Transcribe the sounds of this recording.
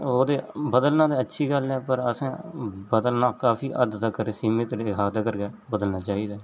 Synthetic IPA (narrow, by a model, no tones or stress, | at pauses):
oːd̪eːbəd̪əlnaːd̪aːətːʃʰiːɡəlɛːpəɾəsãːbəd̪əlnaːkaːfiːʔəd̪t̪akəɾesiːmet̪ɾeaːd̪aːkəɾɡaː | bəd̪əlnaːt͡ʃaːiːd̪aː